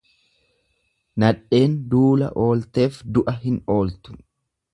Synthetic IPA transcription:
nɐᶑːe̞ːnd̪uːlɐ̰ʔo̞ːlt̪e̞ːfd̪ʊʔɐɦɪno̞ːlt̪ʊ̥

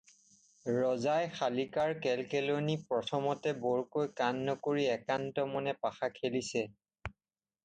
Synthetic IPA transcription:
ɹɔzajxalikaɹkɛlkɛlonipɹɔtʰɔmɔtɛbɔɹkojkanːɔkoɹiɛkantɔmɔnɛpaxakʰelisɛ

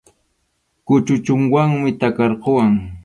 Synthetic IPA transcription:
kʊt͡ʃʊt͡ʃʊŋwaŋmɪt̪akɑɾqowaŋ

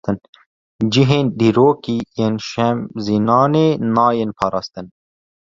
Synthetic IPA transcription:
t̪ən | d͡ʒiɦẽnd̪iɾoːkienʃɐmzinɑːnenɑːjenpʰɑɾɑːst̪ən

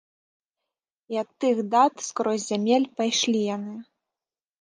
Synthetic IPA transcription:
iɐt̪ːɨxd̪at̪skɾɔzʲzʲamʲelʲpajʂlʲijanɨ

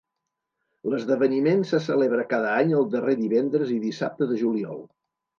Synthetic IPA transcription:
ləzðəβənimensəsəleβ̞ɾəkaðəaɲəlˠd̪əreðiβɛnd̪ɾəziðisap̚t̪əðəʒuliɔ̰lˠ

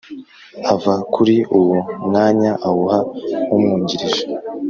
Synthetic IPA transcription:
avakʰuɾiuwumŋaːɲaʔahuhaumŋuːɲɟiɾiʒe

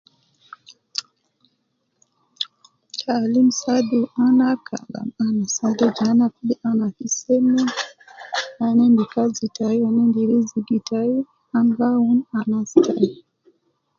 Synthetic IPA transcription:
t͡ʃalim̩saduanakʰa̰la̰manasadud͡ʒanakuɗiʔanakisɛmɛ | anɛndikazitaiwanɛndiɾiziɡitʰai | aŋɡaunanastai

